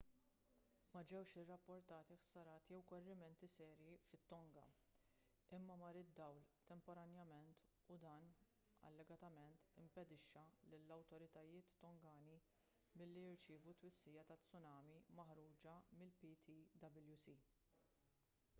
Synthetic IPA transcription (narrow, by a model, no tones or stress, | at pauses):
mɐd͡ʒɛwʃɪrːɐpːɔɾt̪ɐːt̪iħsɐɾɐːt̪jɛwkɔrːɪmɛnt̪isɛːɾjifɪt̪ːɔŋɡɐ̰ | ɪmːɐmɐɾɪd̪ːɐwlt̪ɛmpɔɾɐnjɐmɛnt̪ | ʊd̪ɐːn | ɐ̰lːɛɡɐt̪ɐmɛnt̪ɪmpɛd̪ɪʃːɐlɪlːɐwt̪ɔɾɪt̪ɐjɪːt̪ːɔŋɡɐːni | mɪlːijɪɾt͡ʃɪːvut̪wɪsːiːjɐt̪ɐt͡sːʊnɐːmimɐħɾuːd͡ʒɐmɪlpit̪ʰid̪ɐbɪljusi